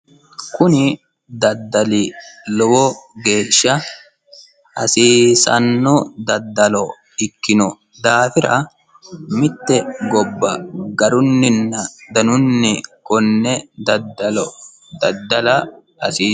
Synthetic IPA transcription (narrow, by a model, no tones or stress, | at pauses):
kʊnɪ | d̪ɐd̪ːɐlilɔwɔɡe̞ːʃːɐ | hɐ̰siːsɐ̰nːɔd̪ɐd̪ːɐlɔ | ɪkːɪnʊ | d̪aːfɪɾɐ | mɪt̪ːɛɡɔbːɐɡɐɾʊnːɪnːɐd̪ɐnʊnːɪkɔnːɛd̪ɐd̪ːɐlɔ | d̪ɐd̪ːɐlɐ | ɐsiː